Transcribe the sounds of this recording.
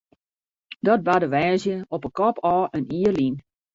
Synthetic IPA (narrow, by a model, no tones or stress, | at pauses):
dɔt̚badəʋɛːzjəɔpəkɔpʰɔːʔəniərlin